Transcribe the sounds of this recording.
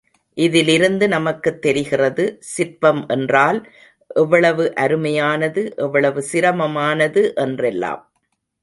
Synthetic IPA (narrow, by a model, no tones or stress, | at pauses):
ʔɪðɪlɪɾɯnd̪ɯnɐmɐkːɯt̪ːɛɾɪɣɪrɐðɯsɪɾpɐmʔɛndraːl | ʔɛʋːɐɭɐʋɯʔɐɾɯmɐjaːnɐðɯʔɛʋːɐɭɐʋɯsɪɾɐmɐmaːnɐðɯʔɛndrɛlːa̰ːm